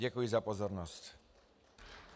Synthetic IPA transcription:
ɛkujɛzapɔzɔɾnɔst͡ɕ

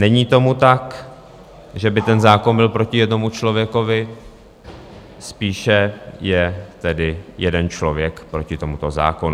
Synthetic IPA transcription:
nɛɲiːt̪o̞mut̪ak | ʒɛbɪt̪ɛnzaːko̞nbɪlpɾo̞cɪjɛdno̞mut͡ʃlo̞vjɛko̞vɪ | spiːʃɛjɛt̪ɛdɪjɛdɛnt͡ʃlo̞vjɛkpɾo̞cɪt̪o̞mut̪oza̰ːkon

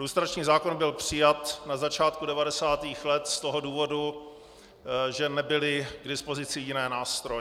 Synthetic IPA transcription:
ɾust̪ɾat͡ʃɲiːzaːko̞nbɪlpr̝̥ɪjat̪nazat͡ʃaːt̪kudɛvadɛsaːt̪iːxlɛt̪st̪oɦo̞duːvo̞du | ʒɛnɛbɪlɪɡdɪspo̞zɪt͡sɪjɪnɛːnaːst̪ɾojɛ

